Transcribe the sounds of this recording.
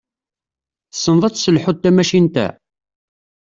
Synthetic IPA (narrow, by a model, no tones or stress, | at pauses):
θə̥sːənðˤɑt͡sːsəlħʊd̪̚t̪ːæmæʃint̪æ̰